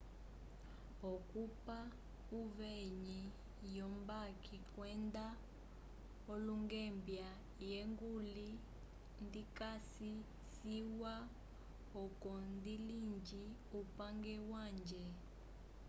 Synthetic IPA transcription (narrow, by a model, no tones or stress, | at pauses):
okʼupa | uveɲi | jɔmbakikʼwɛnda | oluŋɡɛmbja | jeŋɡuli | ndikasi | siwa | ɔkʼɔndilind͡ʒi | upʼaŋɡɛwaːnd͡ʒɛ